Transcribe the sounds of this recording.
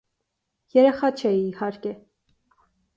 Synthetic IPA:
jɛɾɛχɑt͡ʃʰɛihɑɾkɛ

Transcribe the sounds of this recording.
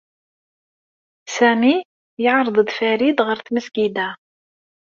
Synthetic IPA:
sæmi | jəʕɾˤəðˤd̪fæɾid̪ʁəɾθməsɡid̪æ

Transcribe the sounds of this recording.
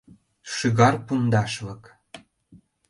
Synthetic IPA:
ʃyɣɑrpund̪ɑʃlɤ̆k

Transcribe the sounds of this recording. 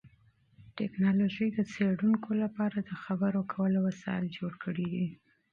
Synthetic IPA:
ʈɛknɑloʒəjd̪ət͡seɽuŋkʰolapɑɾad̪əxabəɾokʰawəlowasɑ̰ɪld͡ʒoɽkʰəɽid̪i

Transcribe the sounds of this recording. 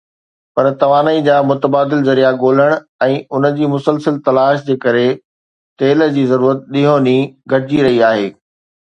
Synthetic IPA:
pɐɾt̪ɐʋaːnəid͡ʑaːmʊt̪əbaːd̪ɪlzɐɾijaɡoːl̤əɽ̃ | ɛ̃ːʊnə̆d͡ʑiːmʊsəlsəlt̪ɐlaːʃd͡ʑeːkɐɾe | t̪eːlə̆d͡ʑiːzɐɾuːɾət̪̚ɗiɦõniɡʱɐɽd͡ʑiɾɐɦiaːɦeː

